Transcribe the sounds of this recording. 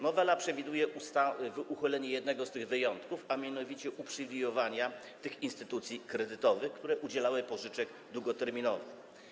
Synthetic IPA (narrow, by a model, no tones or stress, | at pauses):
nɔvɛlapʂɛvʲid̪ujɛʔust̪avʔuxɔlɛɲɛjɛd̪nɛɡɔst̪ɘɣvɘjɔnt̪kufamʲjanɔvʲit͡ɕɛʔupʂɘvʲijɔvaɲa | t̪ɘxinst̪ɘt̪ut̪sʲikɾɛd̪ɘt̪ɔvɘxkt̪uɾɛʔud͡ʑɛlawɘpɔʐɘt͡ʂɛɡ | d̪wuɡɔt̪ɛɾmʲinɔvɘx